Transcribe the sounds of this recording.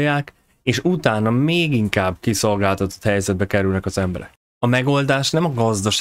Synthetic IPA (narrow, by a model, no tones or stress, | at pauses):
jːaːk | eːʃut̪aːnɒmeːɡiŋkaːbkiso̞lɡaːlt̪ɒt̪o̞̥t̪hɛjzɛd̪̚bɛkɛɾylnɛkɒzɛmbɛ̰ɾɛ̰k | ɒmɛɡo̞ld̪aːʃnɛmɒɡɒzd̪ɒʃ